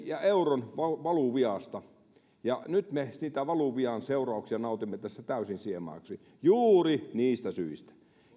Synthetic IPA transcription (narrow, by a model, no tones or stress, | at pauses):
jɑʔeuronʋɑʋɑluʋiɑst̪ɑ | jɑnyt̪mesiːt̪æʋɑluʋiɑnseurɑˑuksiɑnɑˑut̪imːet̪æsːæt̪æˑysinsiemɑ̰ːksi | juːriniːst̪æsyist̪æ̥